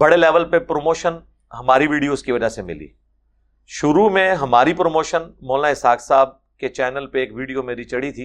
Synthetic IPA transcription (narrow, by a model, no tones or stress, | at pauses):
bɐɽeleːʋəlpepɾoːmoːʃən | ɦɐmaːɾiʋiːɽijoːzkiʋɐd͡ʒasemɪ̰lḭː | ʃʊɾumẽɦɐmaːɾipɾomoːʃənmoːlnaɪsaːksaːb̚ | ket͡ʃɛːnəlpeeːkʋiːɽijomẽɾit͡ʃɐɽit̪ʰiː